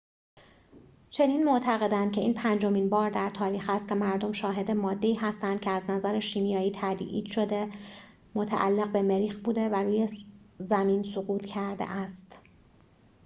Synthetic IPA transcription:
t͡ʃʰe̞niːnmo̞ʔt̪ʰæɣe̞d̪ænd̪̚cʰe̞iːnpʰænd͡ʒo̞miːnbɒːɾd̪æɾt̪ʰɒːɾiːxhæst̪̚cʰe̞mæɾd̪o̞mʃɒːɦe̞d̪emɒːd̪ːe̞iːɦæst̪ænd̪̚cʰeæznæzæɾeʃiːmijɒːjiːt̪ʰæd̪iʔḭːd̪̥ʃo̞d̪e̞ | mo̞t̪ʰæ̰ʔæ̰lːe̞ɣbe̞me̞ɾiːxbuːd̪e̞væɾuːjezæmiːnsoɣuːt̪ʰcʰæɾd̪ḛʔæst̪

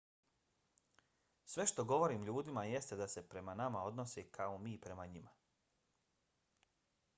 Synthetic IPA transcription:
sʋe̞ʃt̪o̞ɡo̞ʋo̞ɾiːmʎuːd̪imaje̞st̪e̞d̪ase̞pɾe̞manamao̞d̪no̞sekaomiːpɾe̞maɲima

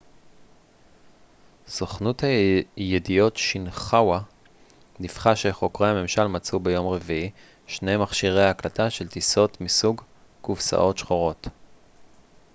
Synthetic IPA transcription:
z̥oχnuthajedijo̞tʃinχawa | nifχaʃeχo̞kʁejhame̞mʃalmat͡subejo̞mʁe̞vii | ʃne̞jmaχʃiʁejaːklataʃe̞ltiso̞tmisuɡ | kufsa̰ʔo̞tʃχoʁo̞t

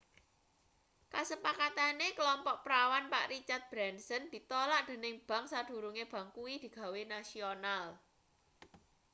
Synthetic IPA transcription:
kasəpakat̪anekəlɔmpɔʔpɾawanpa̰ʔrit͡ʃat̪̚b̥ɾansənd̪̥i̤t̪olaʔd̪̥e̤nɪŋb̥a̤ŋsad̪̥ṳɾuŋeb̥a̤ŋkuid̪̥i̤ɡ̥a̤wenasional

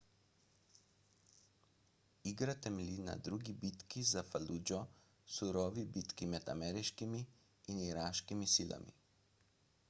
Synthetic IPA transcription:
iːɡɾat̪ɛmɛlina̰d̪ɾuːɡibiːt̪kizafaluːd͡ʒɔ | suɾɔːʋibit̪kimɛd̪a̰mɛːɾiʃkimiː | niɾaːʃkimisiːlʔa̰mḭ

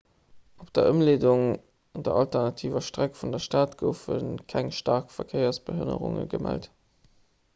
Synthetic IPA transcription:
ʔopd̥ɐʔəmleːduŋ | dɐʔɑltəʁnɑtʰiːvɐʃtʁækfundɐʃtaːtɡ̥əʊfənkʰæŋʃtɑːʁkfɐkʰeɪɐsb̥əɦə̰nə̰ʁʊ̰ŋə̰ɡəmæ̰lt

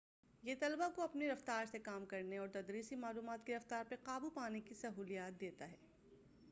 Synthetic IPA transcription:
jeːt̪ɐlbakoɐpneɾɐft̪aːɾsekaːmkɐɾneɔːɾt̪ɐd̪ɾiːsimaːluːmaːt̪keɾɐft̪aːɾpɐqaːbupaːnekisɐɦuːlijaːt̪̚d̪eːt̪aɦɛː

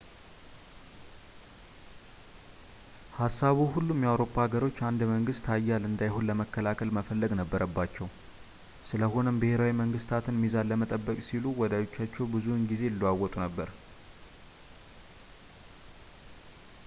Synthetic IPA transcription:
hasːaβuhulːumjawɾo̞pʰːaaɡəɾo̞t͡ʃːand̪məŋɡɨst̪ʰajːalɨnd̪ajhonləməkʰːəlakʰəlməfəlːəɡnəbːəɾʔəbːat͡ʃːɛw | sɨləɦo̞nəmbɨhe̞ɾawiməŋɡɨst̪ʰat̪ʰɨnmizalːəmət̪ʼəbːəkʼsiluwɔd̪ajo̞t͡ʃːat͡ʃːɛwbɨzuɨnɡize̞lːuwawːɔt̪ʼunəbːəɾ

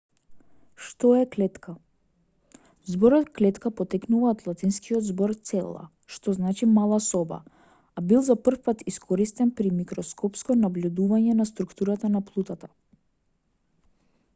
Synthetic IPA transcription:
ʃt̪ɔɛklɛt̪kʰa | zbɔɾɔt̪klɛt̪kapɔt̪ɛknuvaːt̪lˠat̪inskʰiɔd̪zbɔɾt̪sɛlˠa̰ | ʃt̪ɔznat͡ʃimalˠasɔba̰ | abilˠzapr̩fpat̪iskʰɔɾist̪ɛnpɾimikɾɔskʰɔpskɔnabljud̪uvaɲɛnast̪ɾukt̪uɾat̪anaplˠut̪at̪a

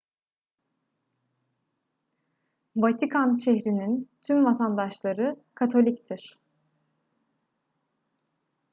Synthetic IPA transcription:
vat̪ʰikʰanʃɛçɾinint̪ʰymvat̪ʰand̪aʃlˠaɾɯkʰat̪ʰo̞lʲict̪ʰiɾ̥

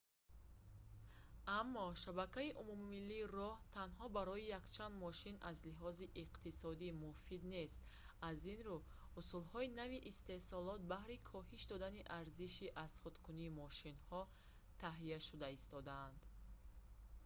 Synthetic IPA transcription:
amːɔʃabakaiʔumumːilːiːrɔht̪ʰanɦɔbaɾɔijakt͡ʃʰand̪mɔʃinʔazliɦɔziʔiqt̪isɔd̪imufid̪ne̞st̪ | azinɾu | usulhɔinaviʔːst̪e̞hsɔlɔt̪̚bahɾikʰɔhiʃd̪ɔd̪aniʔaɾziʃiʔazχut̪kʰuniːmɔʃinhɔ | t̪ʰaɦijaʃud̪aist̪ɔd̪aːnd̪̥

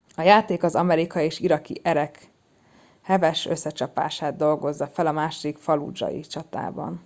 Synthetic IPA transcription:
ɒjaːt̪eːkɒzɒmɛɾikɒjieːʃiɾɒkḭʔɛɾɛk | hɛvɛʃøsːɛt͡ʃɒpa̰ːʃaːd̪d̪o̞lɡo̞zːɒfɛlɒmaːʃod̪ikfɒlṵd͡ʒɒ̰jḭt͡ʃɒt̪a̰ːbɒ̰n

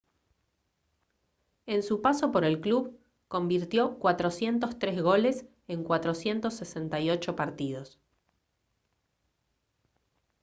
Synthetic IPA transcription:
e̞nsupaso̞po̞ɾe̞lkluβ | ko̞mbiɾt̪jo̞kwat̪ɾo̞sje̞nt̪ost̪ɾezɣo̞les | e̞ŋkwat̪ɾo̞sje̞nt̪o̞sːese̞nt̪ajo̞t͡ʃo̞paɾt̪iðo̞s

